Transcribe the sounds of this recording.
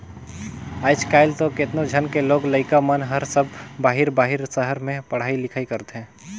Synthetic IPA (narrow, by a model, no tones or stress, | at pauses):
aːɪd͡ʒkaːɪlt̪okɪt̪nõd͡ʒʱənkeloːɡləɪkamənɦəɾsəbʱbaːɦɪɾbaːɦɪɾsəɦəɾmẽpɐɽ̤aːilɪkʰaːikɐɾt̪ɦɛ̃ː